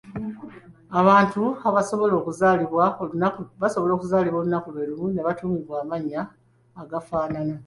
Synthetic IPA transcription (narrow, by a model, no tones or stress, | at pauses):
aβaːntuaβasoβo̞lo̞ːkuzaːliβwaoβaso̞βolo̞ːkuzaːliβwo̞ːlunakuβeɾumune̞βatuːmiβwaːmaɲːaː | ɡafaːnana